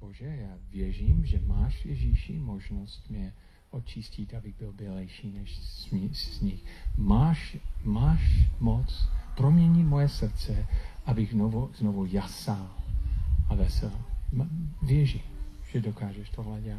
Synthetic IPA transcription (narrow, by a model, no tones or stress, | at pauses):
b̥oʒɛjaːvjɛʒiːmʒɛmaːʃvjɛʒiʃḭmoʒnost̪mɲɛ | ʔot͡ʃiscɪt̪ʔabɪɣbɪlbɪlɛjʃiːnɛʃsɲɪxmaːʃmaːʃmot͡spɾomɲɛɲimojɛsr̩tt͡sɛʔabɪɣovuznovujasaːm | ʔavɛsɛl | vjɛʒiːmʒ̥ɛdokaːʒɛʃt̪ʰoɦlɛɟɛlat